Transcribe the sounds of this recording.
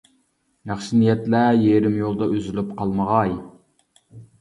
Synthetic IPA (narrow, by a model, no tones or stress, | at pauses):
næχʃinijɛt̪læjeɾɪmjolˠd̪ɑøzylypqʰɑlˠməʁɑj